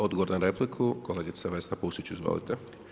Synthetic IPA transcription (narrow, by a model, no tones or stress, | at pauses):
od̪ɡoʋoɾnanɾeplikʰukoleːɡit̪saʋest̪apusit͡ɕuizʋo̰lḭt̪e